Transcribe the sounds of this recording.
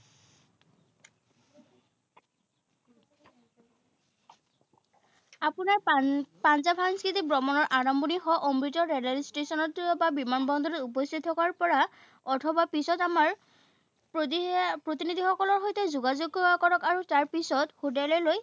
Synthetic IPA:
apunaɹpanzabʰʱanskitibɹɔmɔnɔɹʔaɹɔmbɔnixɔʔɔmɹitɔɹɛlalistesɔnɔtɔbabimanbɔnd̪ɔɹɔtupɔst̪ʰitʰːɔkaɹpɔɹa | ɔtʰɔbapisɔtamaɹ | ppɹotinid̪ʱixɔkɔlɔɹɦojtɛzuɡazoɡakɔɹɔkaɹutaɹpisɔthodalɛloj

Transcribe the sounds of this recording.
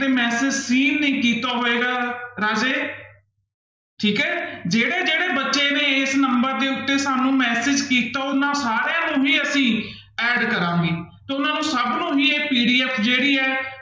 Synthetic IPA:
eːmɛːsɪd͡ʒsiːnːĩːkiːt̪aːɦoːeːɡaːɾaːd͡ʒeː | ʈʰiːkɛːd͡ʒeːɽeːd͡ʒeːɽeːbətːʃeːneːesnəmbəɾd̪eːʊt̪ːeːsaːnũːmɛːsɪd͡ʒkiːt̪aːʊnãːsaːɾjãːnũːɦiːəsĩː | ɛːɖkəɾãːŋɡeːt̪eːʊnãːnũːsəbnũːɦiːeːpiːɖiːɛːpʰd͡ʒeːɽiːɛː

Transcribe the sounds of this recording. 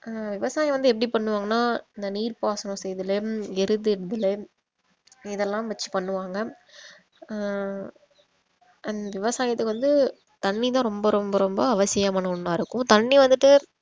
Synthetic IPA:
ʋɪʋɐsaːjɐ̃ʋɐnd̪ɯɛpːɐɽipɐɳːɯʋaːŋɡɐnːaːɪnd̪ɐniːɾpaːsɐnɔ̃sɛjðɯlɐɛɾɯðɯɪɽɯðɯlɐ | ɪðɛlːãːmʋɛt͡ʃːɯ̥pɐɳːɯʋaːŋɡɐ | ɐnd̪ɐʋɪʋɐsaːjɐt̪ːɯkɯʋɐnd̪ɯ | t̪ɐɳːit̪̬ãːɾɔmbɐɾɔmbɐɾɔmbɐɐʋɐsɪjɐmaːnɐʊɳːaːɪɾɯkːʊ̃t̪ɐɳːiʋɐnd̪ɯʈːɯ

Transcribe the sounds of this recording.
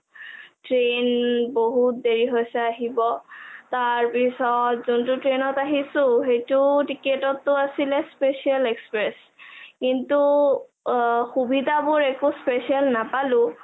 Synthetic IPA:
tɹenboɦut̚deɹiɦojsɛaɦibɔtaɹpisɔtzuntʊtɹenɔtaɦisʊ̃xejtʊtiketɔtːʊasilɛspesialekspɹɛs | kintu | xubidabʊɹɛkuspesialnapalʊ̃

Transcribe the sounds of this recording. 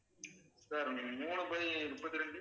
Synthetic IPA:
saɾmuːɳɯbɐiɾʊpːɐt̪ːɪɾɐɳɖɯ

